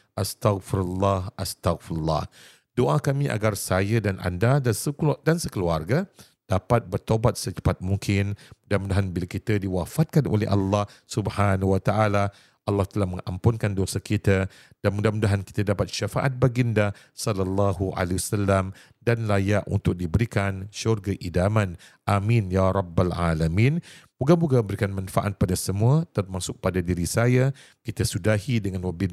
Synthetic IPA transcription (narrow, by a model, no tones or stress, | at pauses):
ʔast̪aɣfiɾulːɑhast̪aɣfiɾulːɑ̰h | d̥oʔakamĩʔa̰ɡarsajədanʔa̰ndadasədansəkəluarɡa | d̥apat̪̚bərt̪obat̪̚sət͡ʃə̥pat̪̚muŋkʰɪnmudahmũdaɦanbilakit̪ədiwafat̪̚kanʔo̰lɛ̰hʔa̰lːɑhsubhanuwat̪aʔala | ʔɑlːɑht̪əlahmə̃ŋa̰mpʊnkandosakit̪ə | d̥anmudamudaɦanki̥t̪adapat̪̚ʃafaʔa̰t̪̚baɡinda | sɔlalːaɦuʔa̰lewasalːam | danlajaʔṵnt̪ʊk̚dibəɾikanʃɔrɡaʔidamãn | ʔamĩnjaɾˤɑbːalʕa̰lamĩnbuɡabuɡabəɾikanmanfaʔat̪̚padasəmũət̪ərmasʊk̚padadiɾisaja | kit̪əsudahidəŋãnwabin